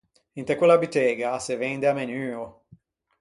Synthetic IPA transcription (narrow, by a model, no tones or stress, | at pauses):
int̪ekwelabyt̪ɛɡasevend̪eamenyːo